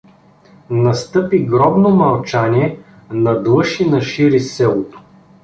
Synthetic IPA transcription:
nɐst̪ɤpiɡɾɔbnomɐlˠt͡ʃanʲiɛ | nɐd̪lˠɤʃinɐʃiɾisɛlˠot̪o̥

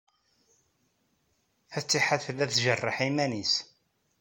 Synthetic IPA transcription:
θæt͡sːiħaθlæθʒərˤːəħimænis

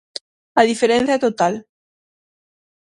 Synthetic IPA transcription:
aðifeɾẽn̟θjat̪ot̪al

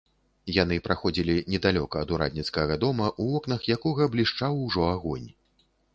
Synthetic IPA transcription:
janɨpɾaxɔd͡zʲilʲinʲɛd̪alʲɔkɐːd̪uɾa̰d̪ʲnʲit̪skɐɣɐd̪ɔmɐʔuɔkn̪ɐxjakɔɣɐblʲiʂt͡ʂawʐɔaɣɔnʲ

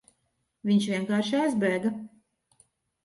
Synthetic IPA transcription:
vʲiɲʃviɛŋkaːɾʃajzbɾɛːɡa

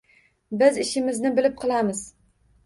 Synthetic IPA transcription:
bɪzɪʃɪmɪznɪbɪlɪp̚qʰɨlˠamɪz̥

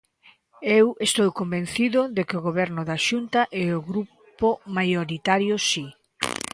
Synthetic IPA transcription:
ewest̪owkombẽn̟θiðʊðekɪoɣoβɛɾnʊðaʃunt̪ɐʔɛoɣɾu | pomajoɾit̪aɾjosi

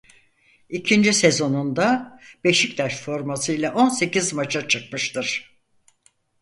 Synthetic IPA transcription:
icʰind͡ʒise̞zo̞nund̪abe̞ʃic̚t̪ʰaʃfo̞ɾmasɯjlʲaʔo̞nse̞cizmat͡ʃʰat͡ʃʰɯk̚mɯʃt̪ɯɾ̥

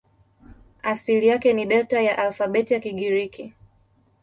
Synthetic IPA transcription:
asilijakɛniɗɛtajaʔalfaɓɛtijakiɡiɾikʰi

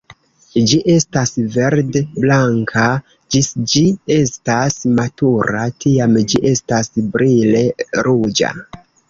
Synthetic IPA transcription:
d͡ʒiʔe̞stasve̞ɾdeblaŋkʰa | d͡ʒisd͡ʒie̞stasmatuɾatiamd͡ʒiʔe̞stasbɾʔile̞ɾud͡ʒa̰

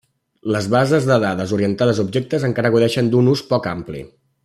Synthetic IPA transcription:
ləzβazəzðəðaðəzuɾiənt̪aðəzubʒɛk̚t̪əzəŋkaɾəɣuðɛʃənd̪unuspɔkamplḭ

